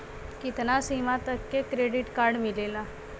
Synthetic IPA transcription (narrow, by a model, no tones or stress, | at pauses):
kit̪nasimat̪əkːekɾeɖiʈkaɾɖmilela